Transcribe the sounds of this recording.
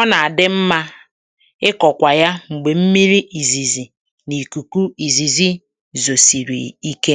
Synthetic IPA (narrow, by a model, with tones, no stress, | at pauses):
ɔ˦na˨a˨dɪ˦m̩˦ma˦ | ɪ˦kɔ˨kʷa˨ja˦ŋ͡m̩˨ɡ͡be˨m̩˦mi˦ɾi˦ʔi˨zi˨zi˨ | ni˨ku˨ku˦i˨zi˨zi˦ | zo˨si˨ɾḭ˨i˦ke˦